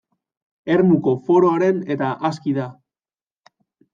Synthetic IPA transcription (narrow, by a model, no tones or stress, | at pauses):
e̞ɾmuko̞fo̞ɾo̞aɾe̞ne̞t̪aʔas̬kiða